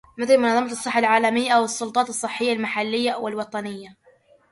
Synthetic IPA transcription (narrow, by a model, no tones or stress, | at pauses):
mɪθlmʊnɑðˤːɑmat̪sˤːɨħːalʕaːlamɪjːawɪsˤːʊlt̪ˤɑːt̪ɨsˤːɨħːɪjːalmaħalːɪjːawɪlwɑt̪ˤɑnɪjːa